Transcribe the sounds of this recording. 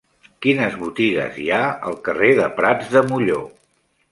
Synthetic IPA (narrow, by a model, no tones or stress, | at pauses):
kinəzβut̪iɣə̰ziaə̰lˠkəreðəpɾad͡zðəmuʎo